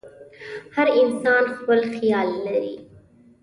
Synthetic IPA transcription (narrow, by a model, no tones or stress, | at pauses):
həɾinsɑːnxwəlxijaːlːəɾiː